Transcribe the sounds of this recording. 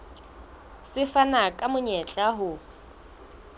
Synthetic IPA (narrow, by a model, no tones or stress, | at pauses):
sɪfanakʼamʊɲɛt͡ɬʼaɦʊ